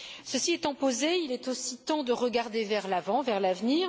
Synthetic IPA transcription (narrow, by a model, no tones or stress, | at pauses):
səsiɛt̪ɑ̃pozeilɛt̪osit̪ɑ̃d̪əʁəɡaʁd̪evɛʁlavɑ̃vɛʁlavniːʁ